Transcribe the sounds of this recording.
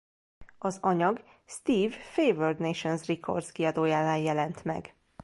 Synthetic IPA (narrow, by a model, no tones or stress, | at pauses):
ɒzɒɲɒɡ | st̪iːvfeːvørd̪neʃonzrikʰo̰rd̪skiɒd̪oːjaːlaːjjɛlɛnt̪mɛ̰ɡ